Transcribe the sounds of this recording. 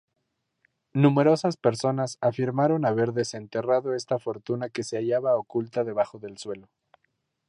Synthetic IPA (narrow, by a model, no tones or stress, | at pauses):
nũme̞ɾo̞saspe̞ɾso̞nasafiɾmaɾo̞naβe̞ɾðe̞se̞nt̪e̞raðo̞e̞st̪afo̞ɾt̪unake̞seaʝaβaokult̪aðe̞β̞axo̞ðe̞lswe̞lo̞